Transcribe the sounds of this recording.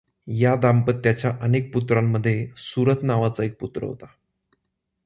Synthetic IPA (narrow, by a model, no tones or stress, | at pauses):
jad̪ampət̪ːjat͡ɕjaʔənek̚put̪ɾamːəd̪ʱːjesuɾət̪naʋat͡saek̚put̪ɾə̰ɦo̰t̪ḁ